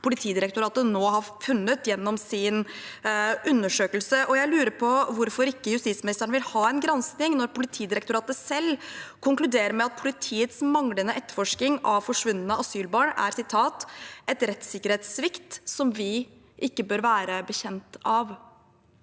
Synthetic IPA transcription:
pʊlɪt̪ʰiːd̪ɪɾəkt̪ʊɾɑːt̪ənoːɦɑɾfʉnːət̪jɛnːɔmsɪn | ʉnːəʂøːkəlsəʔɔjæɪlʉːɾəɾpʰɔʋʊɾfɔɾɪkːəjʉst̪ɪt̪smɪnɪst̪əɳəʋɪlhɑːɛnɡɾɛnsnɪŋnɔɾpʊlɪt̪ʰiːd̪ɪɾɛk̚t̪ʊɾɑːt̪əsɛlːkʰʊŋklʉd̪eːɾəmɛɑt̪̚pʰʊlɪt̪ʰiːət̪smɑŋlənəʔɛt̪ːəɾfɔʂknɪŋɑʋfɔʂʋʉnːənəɑsyːlbɑːɳæ̰ɾsɪt̪ʰɑːt̪ʔɛt̪ɾɛt̪sɪkːəɾheːt̪sʋɪkt̪sɔmʋɪ | ʔɪkːəbøːɾʋæːɾəbəçɛnt̪ɑʋ

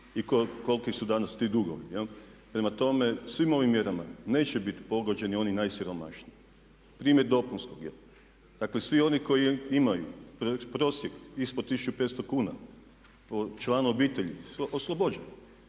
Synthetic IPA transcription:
ikoko̞lkisud̪anast̪iːd̪uɡo̰ʋḭjelpɾemat̪o̞me̞sʋimo̞ʋimːje̞ɾamane̞ːt͡ɕebit̪po̞ɡo̞d͡ʑe̞nio̞ninajsiɾo̞ma̰ʃnii | pɾiːmjeɾd̪o̞punskoɡjḛlˠ | d̪aklesʋio̞niko̞jiimajupɾopɾo̞ːsjekispod̪t̪isut͡ʃupet̪st̪okuːna̰ | pot͡ʃlˠaːnuo̞biːt̪e̞ʎisoslˠobod͡ʑen

